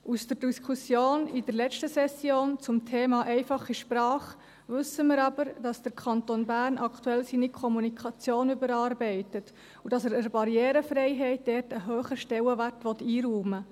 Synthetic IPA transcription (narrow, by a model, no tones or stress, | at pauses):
usd̥əɾd̥iskʰusjoːnidəɾlɛt͡ʃtəsɛsjoːnt͡sʊmtʰeːmɑʔɛɪfɑχiʃpɾɑːχ | ʋʉsːəmɪɾɑbəɾd̥ɑsd̪̥əɾkʰɑnt̪onbæːrnʔɑkʰtuɛlsiːnikʰɔmunikʰɑt͡sjoːnybəɾɑːɾbɛɪtət | ud̥ɑsəɾəɾbɑɾjɛːɾəfɾɛɪɦɛɪt̚d̥ɛrtəɦøːχəʃtɛwəʋærtʋɔtːiːɾuːmə